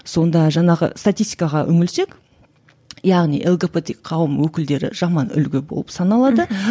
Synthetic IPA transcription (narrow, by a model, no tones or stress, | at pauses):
so̞nd̪ɑʒɑɴɑʁə̰st̪at̪ʲist̪ʲi̥jkɑʁɑʔɵŋɪlse̞k | jɑʁnijʔelˠɡʲe̞pet̪eqʰɑwəmwɵkʲɪld̪e̞ɾɪ̰ʒ̥ɑmɑnʏ̰lɡʲebo̞̰lˠəpsɑnɑlˠɑd̪ə